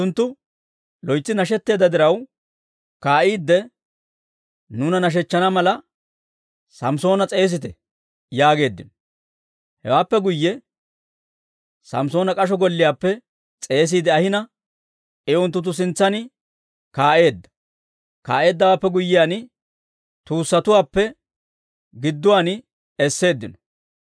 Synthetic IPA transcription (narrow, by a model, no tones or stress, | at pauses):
ʊnt̪ːʊ | lɔjt͡sːɪnɐʃ̬ɛt̪ːe̞ːd̪ːɐd̪ɪɾɐw | kaːʔiːd̪ːɛ | nʊːnɐnɐʃ̬ɛt͡ʃːɐnɐmɐlɐ | sɐmso̞ːnɐt͡sʼe̞ːs̬ɪt̪̬ɛ̰ | jaːɡe̞ːd̪ːɪn | hɛ̰waːpːɛɡʊjːɛ | sɐ̰mso̞ːnɐkʼɐʃ̬ɔɡɔlːɪjaːpːɛ | t͡sʼe̞ːs̬iːd̪ɛɐhɪnɐ | ɛʔɔnt̪̬ːʊt̪̬ʊs̬ɪnt͡sːɐnɪ | kaːʔe̞ːd̪ːɐ̥ | ka̰ːʔe̞ːd̪ːɐwaːpːɛɡʊjːɪjaːnɪ | t̪uːsːɐt̪ʊwaːpːɛ | ɡɪd̪ːʊwaːnɪ | ɛsːe̞ːd̪ːɪnɔ̥